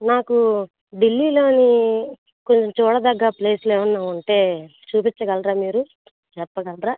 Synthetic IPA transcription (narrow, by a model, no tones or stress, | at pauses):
naːku | ɖilːiːlo̞ːni | ko̞ɲt͡ʃɐmt͡ʃuːɽɐd̪ɐɡːaːple̞ːsuleːwɐnːaːʋɐɳʈe̞ːt͡ʃuːpit͡ʃːɐɡɐlɾaːmiːɾu | t͡ʃɛpːɐɡɐlɾaː